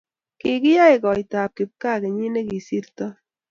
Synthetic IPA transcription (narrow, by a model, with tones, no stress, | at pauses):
ki˨kɪ˦ja˦jkɔ˨jt̪a˨p̚kɪ˨p̚ka˦ke˨ɲi˦ne˦ki˨si˦ɾt̪ɔ˦